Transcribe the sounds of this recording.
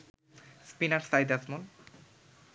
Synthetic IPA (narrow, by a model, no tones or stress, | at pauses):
spinaɾsajd̪asmon